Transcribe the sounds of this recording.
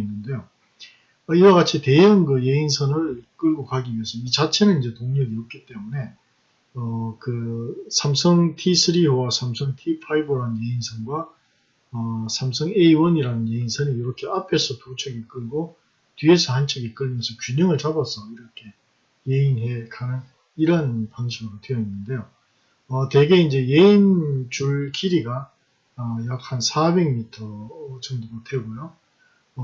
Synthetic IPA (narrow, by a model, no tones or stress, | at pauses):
inːɯnde̞jo | ʌiwaɣat͡ɕʰite̞jʌnkɯjeinsʰʌnɯɭk͈ɯɭɡokaɡiensʰʌit͡ɕat͡ɕʰe̞nɯnind͡ʑe̞toŋɲʌɡiʌp̚k͈it͈e̞mune̞ | ʌkɯsʰamsʰʌŋtʰisʰɯɾiowasʰamsʰʌŋtʰipʰɾaibɯɾanɯnje̞insʰʌnɡwa | ʌsʰamsʰʌŋeiwʌniɾanɯnje̞insʰʌnijoɾʌkʰe̞ʔapʰe̞sʰʌtut͡ɕʰʌɡik͈ɯɭɡo | tɥiesʰʌhant͡ɕʰʌɡik͈ɯɭʌnsʰʌkjuɲɯŋɯɭt͡ɕabʌsʰʌiɾʌkʰe̞ | jeinɦe̞kʰanɯn | iɾʌnpaŋɕʰiɡɯɾotwe̞jʌinːɯnde̞jo | ʌte̞ɡe̞ind͡ʑe̞je̞int͡ɕuɭkʰiɾiɡaː | jak̚hansʰabe̞ɡmitʰʌt͡ɕʌŋdomotʰe̞ɡojo | ʌ